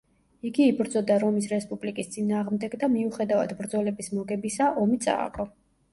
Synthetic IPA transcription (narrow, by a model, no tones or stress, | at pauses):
iɡiːbɾd̪zɔd̪aɾɔmisɾɛspʼublikʼist̪sʼinaːʁmd̪ɛɡd̪amiuχɛd̪ava̰d̪bɾd̪zɔlɛbismɔɡɛbisaʔɔmit̪sʼa̰ːkʼɔ